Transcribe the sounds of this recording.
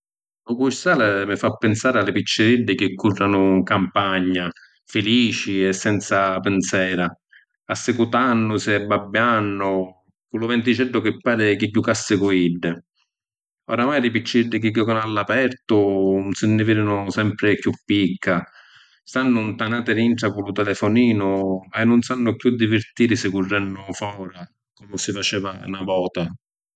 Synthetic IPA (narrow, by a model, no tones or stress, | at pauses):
lʊkuʃt̪aːlɛmɪfapːɪnsaːɾɪalːɪpit͡ʃːɪɾiɖːɪk̟ɪkʰːurːanʊŋkampaɲːa | fɪliːt͡ʃiɛsːɛnt̪sapɪnsɛːɾa | asːɪkut̪anːʊsɪɛbːabːjanːʊ | kulʊvɛnt̪̬it͡ʃɛɖːʊkɪpːaːɾɪkɪɟːukasːɪkuiɖːɪ | ɔɾamaːjɾipit͡ʃːiiɖːɪkiɡːɔkɔnalːapɛɾt̪ʊnsɪnːifiɾinʊsɛmpɾɪkjupːikːa | st̪anːʊnt̪anaːt̪ɪɾiɳʈ̪ɾakulʊt̪ɛlɛfʊniːnʊɛnːʊnsanːʊkjud̪ːivɪɾt̪iːɾɪsɪkurːɛnːʊfɔːɾa | kɔmʊsɪfat͡ʃɛːva̰navɔːt̪a